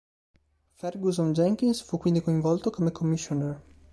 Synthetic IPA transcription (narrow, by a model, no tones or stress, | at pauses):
fɛrɡuzond͡ʒɛŋk̟insfukːwind̪ikoiɱvɔlt̪okomekʰomːisːonɛr